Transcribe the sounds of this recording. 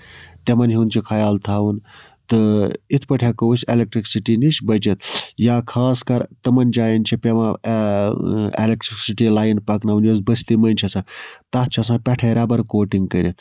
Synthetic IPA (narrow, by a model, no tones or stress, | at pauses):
t̪emɐnɦinʲt͡ʃʰikʰɐjaːlt̪ʰaːʋun | t̪ɨit̪ʰpɐʈʰʲekousʲelek̚ʈɾiksiʈinit͡ʃbɐt͡ʃit̪jaːkʰaːskɐɾt̪ɐmɐnd͡ʒaːjɐnʲt͡ʃʰipʲemã | ḛlek̚ʈɾiksiʈilaːjinpɐknɐʋunjos̬bəst̪imɐnʲt͡ʃʰɐsãːt̪ɐt͡ʃʰiɐsãːpʲɐʈʰeːɾɐbɐɾkoːʈiŋɡkəɾʲit̪ʰ